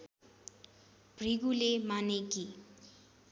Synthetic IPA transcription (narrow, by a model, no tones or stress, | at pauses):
b̥ʱriɡulemaneki